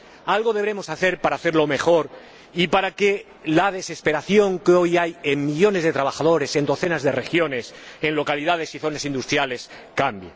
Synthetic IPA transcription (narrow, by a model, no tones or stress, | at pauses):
alɣo̞ð̞eβɾe̞mo̞saθe̞ɾpaɾaθeɾlo̞me̞xo̞ɾ | ipaɾake | lað̞e̞se̞spe̞ɾaθjo̞ŋkeo̞jajemmiʎo̞ne̞zðe̞t̪ɾaβ̞axað̞o̞ɾe̞se̞nd̪o̞θe̞nazðe̞re̞xjo̞ne̞senlo̞kalið̞að̞e̞siθo̞nasind̪ust̪ɾjale̞s | kambje